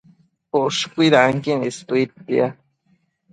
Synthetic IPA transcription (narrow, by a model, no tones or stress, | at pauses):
oʂkʷiɾaaŋkinest̪uit̪ḭa